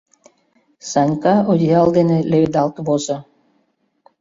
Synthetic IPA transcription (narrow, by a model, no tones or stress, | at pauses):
sɑnʲkɑod̪ʲijɑlˠd̪enĕlʲeβʲed̪ɑlˠt̪βozɤ̆